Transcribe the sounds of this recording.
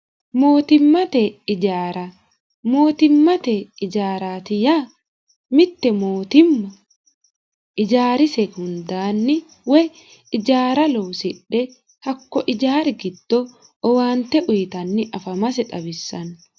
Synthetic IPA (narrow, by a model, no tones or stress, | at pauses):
mo̞ːt̪ɪmːɐt̪ɛɪd͡ʒaːɾɐ | mo̞ːt̪ɪmːɐt̪ɛɪd͡ʒaːɾaːt̪ɪjaː | mɪt̪ːɛmoːt̪ɪmːɐ | ʔɪd͡ʒaːɾɪsɛhʊnd̪aːnːɪ | wɛ | ɪd͡ʒaːɾɐlowsɪᶑːɛ | hɐkːɔʔɪd͡ʒaːɾɡɪd̪̥ːɔ | ɔwaːnt̪ɛʔʊjɪt̪ɐnːɪʔɐfɐmɐsɛᶑ̪ʼɐbɪsːɐn